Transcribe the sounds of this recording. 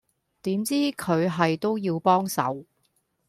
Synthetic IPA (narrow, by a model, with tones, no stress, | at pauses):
t̪iː˨˥mt͡siː˥kʰɵ˨˧ɥɦɐ˨jt̪o˥wjiː˧wpɔː˥ŋsɐ̰˨˥w